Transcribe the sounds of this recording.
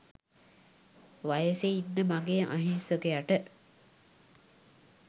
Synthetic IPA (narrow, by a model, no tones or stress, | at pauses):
ʋajəseinːəmaɡeʔa̰ɦinsokeaʈə